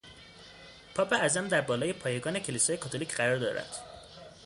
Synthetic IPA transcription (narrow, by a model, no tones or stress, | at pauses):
pʰɒːbeæzæmd̪æɾbɒːlɒːje̞pʰɒːjeɡɒːne̞cʰe̞lisɒːje̞kʰɒːt̪ʰoliːcʰɢæɾɒːɾd̪ɒ̰ːɾæ̰nd̪̥